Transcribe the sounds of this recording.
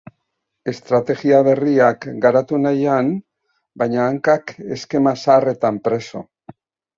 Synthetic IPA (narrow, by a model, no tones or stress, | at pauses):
e̞st̪ɾat̪e̞ɣiaβe̞riakɡaɾat̪unajan | bajɲaːŋkake̞ske̞masaːre̞t̪ampɾe̞so̞̰